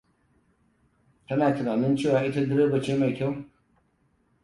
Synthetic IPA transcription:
tɐ˦naː˨tɪ˨naː˨nɪ˦nt͡ʃeː˦˨waː˦ʔɪ˦ta˦dɐ˦ɾe˦bɐ˨t͡ʃeː˦ma˨jkʲa˦w

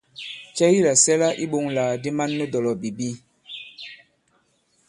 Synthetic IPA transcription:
t͡ʃɛ˦ji˦la˨sɛ˦la˦ʔi˦ɓo˨ŋlaː˨di˦ma˦nːə˦dɔ˨lɔ˨bi˨bi˦

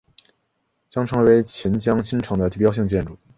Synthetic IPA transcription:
t͡ɕjɑ˥ŋʈ͡ʂʰɤ˧˥ŋwe˧˥ɪt͡ɕʰi˧˥nt͡ɕjɑ˥ŋt͡ɕʰi˥nʈ͡ʂʰɑ˧˥ŋd̪ə˧t̪i˥˩pjɑ˥ʊɕ̬i˥˧ŋt͡ɕjɛ˥˧nʈ͡ʂu˥˩

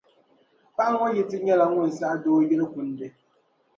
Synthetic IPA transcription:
pa˦ʔa˦ŋɔ˦jɛ˦˨tɪ˦ɲɛ˦la˨ŋʊ˦n˨sa˦doː˦jɛ˦lɨ˦kʊ˨n˦dɨ˦

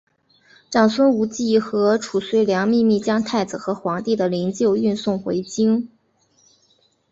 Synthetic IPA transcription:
ʈ͡ʂɑ˨˩ŋswə˥nu˧˥t͡ɕi˥˩xɤ˧˥ʈ͡ʂʰu˨˩swe˧˥ɪljɑ˧˥ŋmi˥˧mi˥˩t͡ɕjɑ˥ŋt̪ʰa˥˩ɪd͡zɹ̩˨˩xɤ˧˥xwɑ˧˥ŋt̪i˥˩d̪ə˩li˧˥ŋt͡ɕjo˥˧ʊy˥˧nsʊ˥˩ŋxwe˧˥ɪt͡ɕi˥ŋ

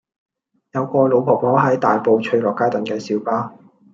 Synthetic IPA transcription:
jɐ˨˧wkʷɔː˧lo˨˧wpʰɔː˨˩mɔː˨˥ɦɐ˨˥jt̪aː˨jpo˧wt͡ʃʰɵ˧ɥlɔː˨˩kːaː˥t̪ɐ˨nkɛː˧siː˨˥wpaː˥

